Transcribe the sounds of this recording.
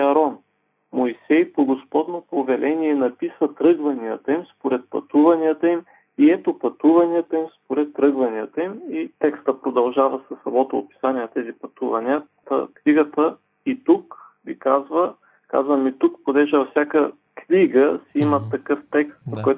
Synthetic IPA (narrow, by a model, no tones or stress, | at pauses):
ɐɾɔn | moisɛjpoɡospɔd̪nopovɛlʔɛniɛnɐpisət̪ɾɤɡvɐnijət̪əimspoɾɛt̪̚pɐ̰t̪uvɐniət̪əim | iɛt̪opɐt̪uvɐniət̪əimspoɾɛt̪ːɾɤɡvɐniət̪əimit̪ɛkst̪əpɾod̪ɐlˠʒavɐsɐsːɐmɔt̪oːpi̥sanʲiɛnt̪ɛzipɐt̪uvɐniət̪ə̰kniɡət̪ə | it̪uk | ɡʲikazvə | ka̰zvɐmit̪uk̚pod̪ɛʒɛvɐfsʲjakə | kniɡəsiimɐt̪ːɐkɤft̪ɛkst̪̚pkɔj